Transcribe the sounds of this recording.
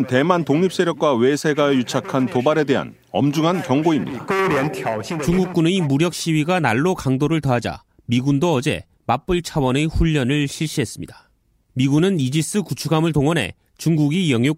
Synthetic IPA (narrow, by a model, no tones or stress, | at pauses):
nte̞mantoŋɲip̚s͈e̞ɾjʌk̚k͈wawe̞sʰe̞ɡajut͡ɕʰakʰantobaɾe̞de̞ɦa̰n | ʌ̰md͡ʑuŋɦankjʌŋɡoimɲḭda | t͡ɕuŋɡuk̚k͈uneimuɾjʌk̚ɕ͈iɥiɡanaɭːokaŋdoɾɯɭtʌɦad͡ʑa̰ | miɡundoʌd͡ʑe̞̰ | map͈ɯɭt͡ɕʰawʌnɯɸuʎːʌnɯɭɕʰiɭɕ͈iɦe̞s͈ɯmɲḭdḁ | miɡunɯnid͡ʑis͈ɯkut͡ɕʰuɡamɯɭtoŋʌnɦe̞̰ | t͡ɕuŋɡuɡijʌŋjo